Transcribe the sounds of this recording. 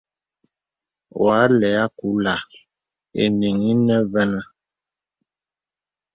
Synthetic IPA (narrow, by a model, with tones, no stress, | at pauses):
wa˨˦lɛ˨a˦ku˨˦la˨ | ḛ˨ni˨ŋi˦nɛ˦vɛ˦na˦